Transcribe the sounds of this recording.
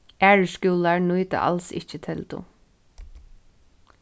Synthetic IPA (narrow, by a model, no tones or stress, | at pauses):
ʔæːɹəʃkuːlɑɹnuːt̪ə̰ʔɑ̰lsɪ̰çət̪ʰɛld̪ʊ̰